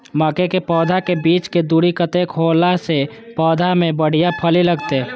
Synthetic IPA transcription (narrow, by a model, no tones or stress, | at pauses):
məkekepɔːd̪ʱakebiːt͡ʃked̪uːɽikət̪ekʰoːlase | pɔːd̪ʱamẽbəɽ̤ijapʰəliləɡt̪eɦɛː